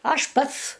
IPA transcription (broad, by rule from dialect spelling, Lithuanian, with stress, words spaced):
ˈɐʃ ˈpɐts